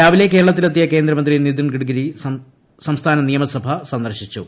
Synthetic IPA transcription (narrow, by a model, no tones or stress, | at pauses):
aːʋileke̞ːɾɐɭɐt̪̬ːilɐt̪ːijɐke̞ːnd̪ɾɐmɐnd̪rinid̪inɡiɽɡɐɾi | sɐmst̪ʰaːnɐnijɐmɐsɐbʱɐsɐnd̪ɐrɕit͡ɕːu